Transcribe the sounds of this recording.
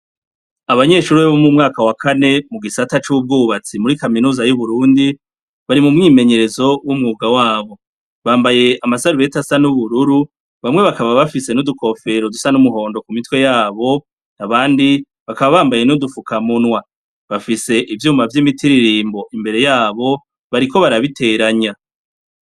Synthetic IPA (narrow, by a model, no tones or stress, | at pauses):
aβaɲe̞ːʃuːɾβeβomumŋaːkawakʰane̞muɡisatat͡ʃub̚ɡuːβat͡simuɾikaminuːzajuβuɾuːndi | βaɾimumŋiːme̞ɲe̞ɾe̞zo̞wumŋuːɡawaːβo̞ | βaːmbaje̞amasaɾuβe̞tasanuβuɾuɾu | βamŋe̞βakaβaβafise̞nuduko̞fe̞ɾo̞dusanumuɦo̞ːndo̞kumitwe̞jaːβo̞ | naβaːndi | βakaβaβaːmbaje̞nudufukʰamunwa | βafise̞ʔivjuːmavjimitiɾiɾiːmbo̞ʔimbe̞ɾe̞jaːβo̞ | βaɾiko̞βaɾaβitʰe̞ɾaɲa